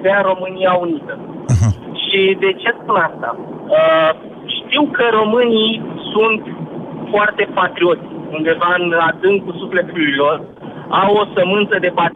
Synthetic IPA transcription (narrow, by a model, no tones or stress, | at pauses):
veaɾo̞mɨnijaunit̪ə | ʃid̪e̞t͡ʃe̞spunast̪a̰ | ʃt̪iwkəɾo̞mɨnisunt̪foart̪e̞pat̪ɾio̞t̪sʲund̪e̞vanad̪ɨŋɡkusufle̞t̪ulujlo̞r | awo̞səmɨnt̪səd̪e̞pa